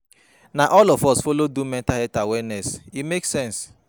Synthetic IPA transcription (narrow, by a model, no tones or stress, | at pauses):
naʔɔlɔfɔsfolodumɛ̃ntahɛtawɛnɛsimeksɛ̃ns